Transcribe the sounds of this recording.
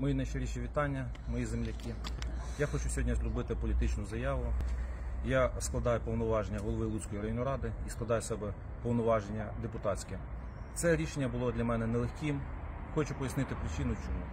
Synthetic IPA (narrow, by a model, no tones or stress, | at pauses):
mɔjinɐjʃeɾʲiʃʲiʋʲit̪ɑnʲːɐ | mɔjizemlʲɐkʲi | jaxɔt͡ʃusʲɔɦɔdʲnʲɐzlʲʊbɪt̪ɪpɔlʲit̪ɪt͡ʃnʊzɐjɑʋʊ | jasklˠɐd̪ɑjʊpɔwnɔʋɑʒenʲːɐɦɔlˠɔʋɪlˠut͡sʲkɔjiɾɐjɔnːɔɾɑd̪ɪisklˠɐd̪ɑjsɛbɛ | pɔwnɔʋɑʒenʲːɐd̪epʊt̪ɑt͡sʲkɛ | t̪sɛɾʲiʃenʲːɐbʊlˠɔd̪lʲɐmɛnɛnɛlˠexʲkʲimxɔt͡ʃʊpɔjɐsnɪt̪ɪpɾɪt͡ʃɪnʊt͡ʃɔɦu